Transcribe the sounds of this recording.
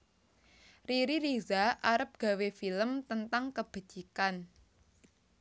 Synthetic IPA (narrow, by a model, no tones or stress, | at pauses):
riɾiɾizaʔaɾəp̚ɡ̥a̤wefiləmt̪ənt̪aŋkəb̥a̤̥d͡ʒ̥i̤kan